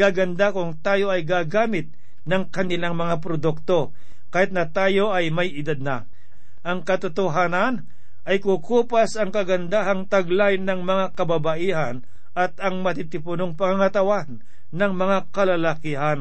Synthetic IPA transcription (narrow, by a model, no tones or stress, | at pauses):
ɡaɡɐnd̪akʊŋt̪aːjo̞ʔɐjɡaɡaːmɪt̪̚ | nɐŋkɐnɪlaŋmɐŋap̬ɾod̪uk̚t̪o̞ | kaːhɪt̪̚nɐt̪aːjo̞ʔɐjmɐjʔɪd̪ad̪̚nɐ | ʔɐŋkɐt̪ot̪oɦaːnɐn | ʔɐjkukuːpasɐŋkɐɡɐnd̪aɦɐŋt̪ɐɡlajnɐŋmɐŋakɐbabaʔiːɦɐn | ʔɐt̪ɐŋmɐt̪it̪ɪpʊnoŋpɐŋaŋɐt̪ɐwanː | ɐŋmɐŋakɐlɐlakɪɦan